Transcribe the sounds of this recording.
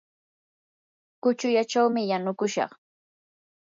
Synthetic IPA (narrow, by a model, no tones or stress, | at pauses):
kʊt͡ʃʊjat͡ʃawmɪjanʊkʊʃɑ̰χ